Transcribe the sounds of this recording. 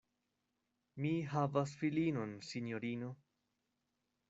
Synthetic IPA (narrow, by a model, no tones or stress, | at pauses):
miɦavas̬filino̞nsinjoɾino